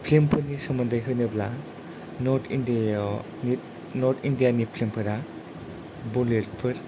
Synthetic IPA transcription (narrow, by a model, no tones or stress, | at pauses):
pʰlimpʰɯnisɔmɯndɯjɦʰɯjnɯbla̰ | nɔɾtʰind | ni | nɔɾt̪ʰindijanipʰlimpʰɯɾa | bulet̚pʰɯɾ